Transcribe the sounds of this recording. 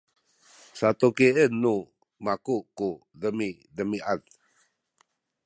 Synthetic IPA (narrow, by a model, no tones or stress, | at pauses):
sat̪ukeənːu | makuku | dəmi | dəmiʔat̪